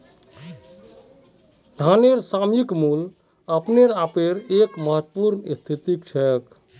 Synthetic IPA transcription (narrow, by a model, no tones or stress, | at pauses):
d̪ʱaneɾsamikmul | əpneɾapeɾekməɦət̪ːpuɾnist̪ʰit̪ikt͡ʃʰɛk